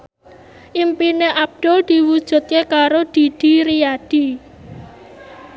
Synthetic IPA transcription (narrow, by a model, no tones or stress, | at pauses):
ʔimpineʔab̚ɖ̪̥od̪̥i̤wud̥ʒ̥ṳt̪̚kekaɾod̪̥i̤d̪̥i̤ɾijad̥i